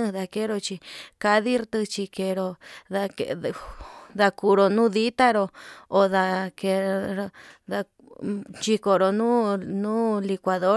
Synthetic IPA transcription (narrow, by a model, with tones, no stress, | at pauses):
ɨ̃˦˧ða˧ke˦ɾo˧t͡ʃi˧ka˧ði˦ɾt̪ɨ˧t͡ʃi˧ke˧ɾo˧ða˧ke | ða˧ku˧ɾo˧nũ˦ði˦t̪a˦ɾo˧o˧ða˧ke˧ɾða˧ | t͡ʃi˧ko˧ɾo˧nũː˦nũː˦li˧kʷa˨ðo˦